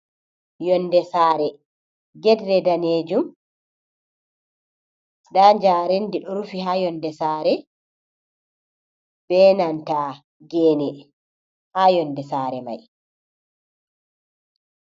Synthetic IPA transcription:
jɔndɛsaːɾɛ | ɡɛdɾɛdaneːd͡ʒum | ɗaːɲd͡ʒaːɾendiɗɔɾufihaːjɔndɛsaːɾɛ | b̥ɛːnanta | ɡɛːnɛ | haːjɔndɛsaːɾɛ̰ma̰j

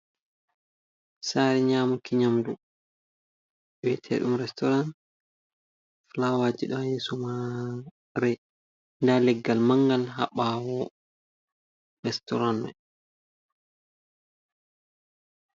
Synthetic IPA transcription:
saːɾɛɲaːmukiɲamdu | ɓwɛtʰɛ̰ɗumɾɛstɔɾan | flawaːd͡ʒiɗɔjɛsuma | ɾɛ | ndalɛɡːalmaŋɡalɦa̰ɓaːwɔ | ɾɛstɔɾanmɛ̰

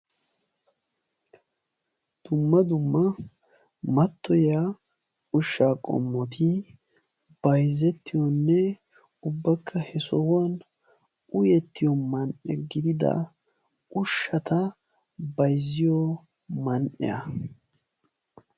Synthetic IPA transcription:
d̪̥ʊmːɐd̪ʊmːɐ | mɐt̪ːɔja | ʔʊʃːaːkʼɔ̰mːɔt̪ʰɪ | b̥ɐjzɛt̪ːɪjɔnːɛ | ʊbːɐkʰːɐhɛsɔwɐn | ʔʊjɛt̪ːɪjɔmɐnʔɛ̰ɡɪd̪ɪd̪ɐ̰ | ʔʊʃːɐt̪ɐ | bɐjzːɪjɔ | mɐnʔɛ̰jɐ

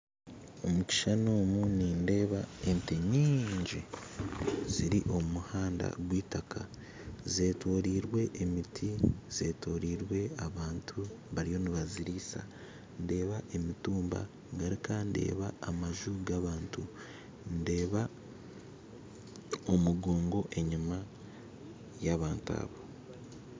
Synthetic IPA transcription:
o̞muci̥ʃanoːmuninde̞ːβae̞nte̞ɲiːɲɟi | ziɾiʔo̞umuhaːnda̰ɡwiːtakʰa | ze̞ːtoːɾiːɾwe̞ʔemitʰiz̥e̞ːto̞ːɾiːɾwe̞aβaːntʰuβaɾijo̞niβaziɾiːsa̰ | nde̞ːβaʔemituːmba̰ | ŋɡaɾikande̞̰ːβaːmaʒuɡaβaːntu | nde̞ːβa | omuɡo̞ːŋɡo̞ʔe̞ɲima | jaβaːnta̰ːβo̞

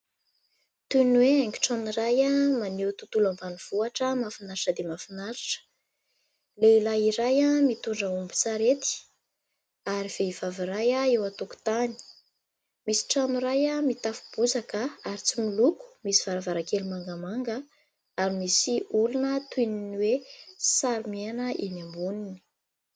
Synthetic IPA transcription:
t̪unweaŋki̥ʈ͡ʂanurajamanewt̪ut̪ulamvaniv̥uaʈ͡ʂəmafinaɾiʈ͡ʂəd̪emafinaɾi̥ʈ͡ʂə̥ | leilaiɾajamit̪uɳɖ͡ʐəumbut͡saɾet̪i̥ | aɾiv̥eiv̥aviɾajaewat̪uku̥t̪ani̥ | misi̥ʈ͡ʂanuɾajamit̪afu̥b̥uzakəaɾit͡similuku̥misiv̥aɾavaɾakelimaŋɡamaŋɡə | aɾimisiulunət̪uininiwesaɾimeanəʔinambunini̥

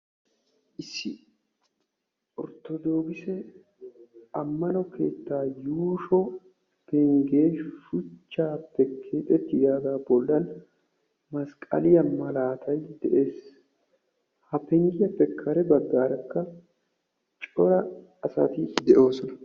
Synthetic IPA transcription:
ʔɪsːɪ | ʔɔɾt̪ɔd̪o̞ːɡɪsɛ | ɐmːɐnɔke̞ːt̪ːaːjuːʃɔ | pɛŋɡeːʃʊt͡ʃːaːpːɛkʰːeːt̪ʼɛt̪ːɪd̪aːd̪aːbɔlːɐn | mɐskʼɐ̰lɪjɐmɐlaːt̪ʰɐjd̪ɛʔe̞ːs | hɐpɛŋɡɪjɐpːɛkʰːɐɾɛbɐɡːaːɾɐkːɐ | t͡ʃʼɔɾɐ | ɐsɐ̰t̪ɪd̪ɛʔo̞ːsɔnɐ

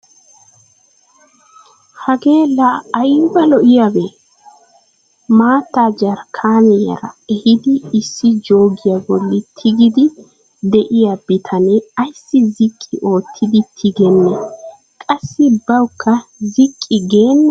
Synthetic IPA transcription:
hɐɡe̞ːlaːjbɐlɔʔɪjawe | maːt̪ːad͡ʒɐɾkʰaːmɛjɐ̰ɾɐ̰ɛhɪd̪ɪːsːɪd͡ʒo̞ːɡɪjabɔlːɪt̪ʰɪɡɪd̪ɪ | d̪ɛʔɪjabɪt̪ʰɐnɛɐjsːɪzɪkʼːɪʔo̞ːt̪ʰːɪd̪ɪt̪ʰɪɡɛnːɛ | kʼɐsːɪbɐwkʰːɐzɪkʼːɪɡe̞ːnː

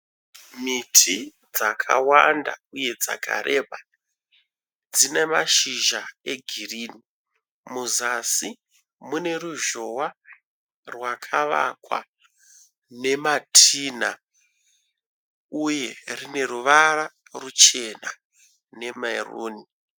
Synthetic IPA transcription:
mitʰi | d͡zakʰa̰wanda̰uje̞d͡za̰kʰa̰ɾʔe̞ɓa | d͡zine̞maʃiʒae̞ɡʱiriːni | muzasi | mune̞ruʒo̞wa | rwakʰaʋa̰kwa̰ | ne̞matʰiːna | uje̞rine̞ɾuʋara | rut͡ʃe̞na̰ | ne̞mairṵːni

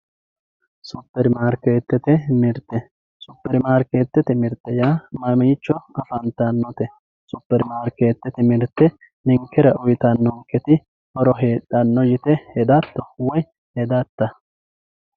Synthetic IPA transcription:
sʊpːɛɾɪmaːɾkeːt̪ːɛt̪ɛmɪɾt̪ːɛ | sʊpːɛɾɪmaːɾkeːt̪ːɛt̪ɛmɪɾt̪ːɛjaːmɐmɪt͡ʃːɔɐfɐnt̪ːɐnːɔt̪ɛ | sʊpːɛɾɪmaːɾkeːt̪ːɛt̪ɛmɪɾt̪ːɛ | nɪŋkːɛɾɐʔʊjt̪ɐnːɔŋkɛt̪ɪ | hɔɾɔɦeːᶑɐnːɔjɪt̪ɛhɛd̪ɐt̪ːɔwɔj | hɛd̪ɐt̪ːɐ

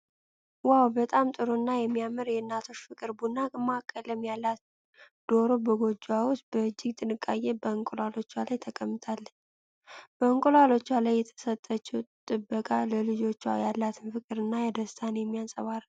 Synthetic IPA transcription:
wawbət̪ʼamt̪ʼɨɾonːajɛmːijamːɨɾjɛɨnːat̪ʰo̞ʃfɨkʼɨɾbunːamakʼːələmjalːat̪ | d̪̥o̞ɾobəɡo̞d͡ʒawʊst̪̚bəɨd͡ʒːɪɡt̪ʼɨnɨkʼːajɛbəəŋkʼolalo̞t͡ʃːwalajt̪ʰəkʼəmːɨt̪ʰalːəɲ | b̥əŋkʼolalo̞t͡ʃːwalajːɛt̪ʰə̥sət̪ʼːət͡ʃːɛt̪ʼːɨbːəkʼaləlɨd͡ʒo̞t͡ʃːwa̰jalːat̪ʰɨnfɨkʼɨɾɨnːajɛd̪əst̪ʰanjɛmːijansʼəβaɾ

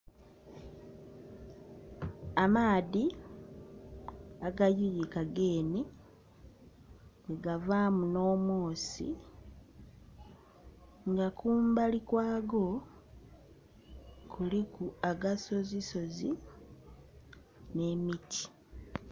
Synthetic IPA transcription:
amaːði | aɡajujikaɡe̞ːni | eɡavaːmuno̞ːmo̞ːsḭ | ŋɡakuːmbalikwaːɡo̞ | kʰulikuaɡaso̞ziso̞zi | ne̞mitʰi̥

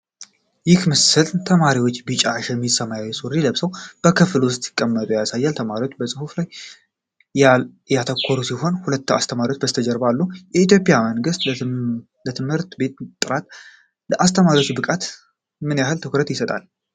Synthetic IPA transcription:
jɪkmɨsɨlt̪ʰəmaɾiwot͡ʃːbɨt͡ʃʼaʃjɛmːisəmajawɛsʼuɾiləβsəwb̥əkʰɨflwʊst̪ʼjɪ̥kʼːəmːət̪ʼujasajːalt̪ʰəmaɾiwot͡ʃːbəsʼɨhuflaj | jat̪ʰəkʰːoɾusiho̞nhulət̪ːa̰st̪ʰəmaɾiwot͡ʃːbəst̪ʰəd͡ʒəɾbalːujɛit̪ʰjo̞pʼjaməŋɡɨst̪ | lət̪ʰɨmhɨɾt̪be̞t̪t̪ʼɨɾat̪ | ləʔast̪ʰəmaɾiwot͡ʃːbɨkʼat̪ | mɨnjahɨlt̪ʰɨkɾət̪jɪsət̪ʼa̰l

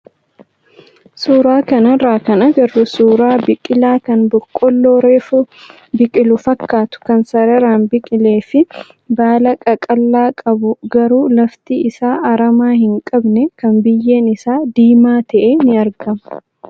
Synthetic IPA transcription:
suːɾaːkɐnɐraːkɐnɐɡɐrːʊsuːɾaːbɪkʼɪlaːkɐnbɔkʼːɔlːoːɾeːfʊ | bɪkʼɪlʊfɐkːaːt̪ʊ̥kɐnsɐɾɐɾaːnbɪkʼɪle̞ːfɪ | baːlɐkʼɐkʼɐlːaːkʼɐbʊɡɐɾuːlɐft̪iːɪsaːʔɐɾɐmaːhɪŋkʼɐbnɛkɐnbɪjːeːnɪsaːd̪iːmaːt̪ɐʔɛnɪɐɾɡɐmɐ̥

